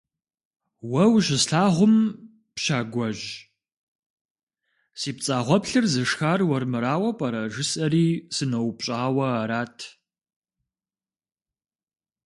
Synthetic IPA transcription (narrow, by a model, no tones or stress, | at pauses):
wɐwʒɪsɬaːʁʷʊm | pʃaːɡʷɔʒ | siːpt͡sʼaːʁʷɔpɬɨrzɨʂxaːrwɐrmɨɾaːwɐpʼɐɾɐʒɪsʼɐɾiːsɨnɐwpɕʼaːwɐaɾaːtʰ